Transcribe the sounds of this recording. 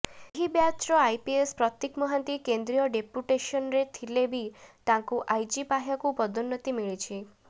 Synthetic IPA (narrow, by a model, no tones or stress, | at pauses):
ɦibjat͡ʃɾɔajpiespɾɔt̪jekmɔɦant̪ikend̪ɾijɔɖepuʈeʃɔnɾet̪ʰilebʱit̪ãŋkuʔajd͡ʒipaɦjakupɔd̪unːɔt̪imiɭit͡ʃʰi